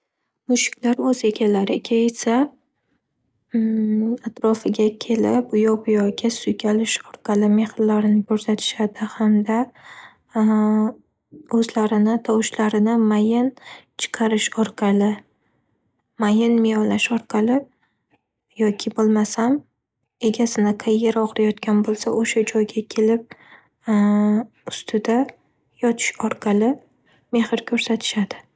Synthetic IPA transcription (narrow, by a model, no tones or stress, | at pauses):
mʊʃɪ̥kʲlaɾɵze̞ɡʲalaɾɪkʲʰaesa | at̪ɾɒfɪɡʲakʲʰe̞lɪp̚ʊjɒbʊjɒɡʲasʊjkʲʰalɪʃɒɾqʰɑlɪme̞hɪlːaɾɪnɪkʰɵɾsat̪ʰɪ̥ʃad̪ɪhamd̪a | ɵzlaɾɪnɪt̪ʰɒwʃlaɾɪnɪmajɪnt͡ʃʰɨ̥qʰɑɾɪʃɒɾqʰɑlɪ | majɪnmɪjɒlːaʃɒɾqʰɑlɪ | jɒkʲʰɪbolˠmasam | e̞ɡʲasɪnɪqʰɑjːeɾɒqɾajɒt̪kʲanbolˠsaʔoʃad͡ʒɒjɡʲakʲʰe̞lɪp̚ | ʊst̪ʰɪd̪a | jɒt̪ʰɪ̥ʃɒɾqʰɑlɪ | me̞hɪɾkʲʰɵɾsat̪ʰɪ̥ʃad̪̥ɪ